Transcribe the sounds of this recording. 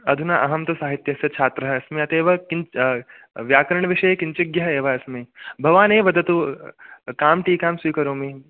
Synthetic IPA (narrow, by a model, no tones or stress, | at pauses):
ɐd̪ʱunaʔɐɦɐmt̪ɐsaːɦit̪jɐsjɐt͡ʃʰaːt̪ɾɐɦɐɐsmiɐt̪eːʋɐki | ʋjaːkɐɾɐɳɐʋiʂɐjekint͡ʃɐɡjɐɦɐeːʋɐɐsmibʱɐʋaːneːʋɐd̪ʱɐt̪u | kaːmʈiːkaːmswiːkɐɾoːmi